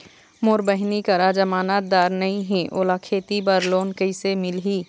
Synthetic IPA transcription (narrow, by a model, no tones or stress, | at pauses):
moːɾbəɦnikəɾad͡ʒɐmaːnaːt̪̚d̪aːɾnɐɦĩɦɛ̃ʔoːlakʰeːt̪ibəɾloːnkəɪsemɪlɦiː